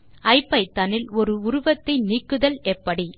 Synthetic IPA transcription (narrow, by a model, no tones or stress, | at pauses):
ɐɪpːɐɪt̪ːɐnɪlɔɾɯʊɾʊʋɐt̪ːɐɪniːkːɯðɐlɛpːɐɽi